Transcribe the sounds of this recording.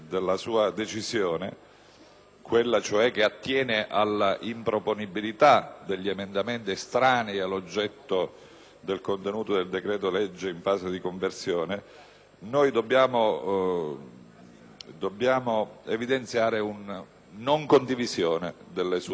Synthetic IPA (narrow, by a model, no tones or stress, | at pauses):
d̪elːasuːad̪et͡ʃizjoːne | kwelːat͡ʃoɛk̟ːeat̪ːjɛːneʔalːaʔimpɾoponibilit̪ad̪eʎːiemend̪ament̪iest̪ɾaːnialːod͡ʒːɛt̪ːo | d̪elkont̪enuːt̪od̪eld̪ekɾɛːt̪oled͡ʒːeiɱfaːsed̪ikoɱversjoːne | nojd̪obːjaːmo | d̪obːjaːmoevid̪ent̪sjaːɾeunː | oŋkond̪ivizjoːned̪elːesu